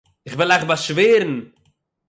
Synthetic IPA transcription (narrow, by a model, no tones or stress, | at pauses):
ɪχvɪlˠaɪχbaʃveːɾn̩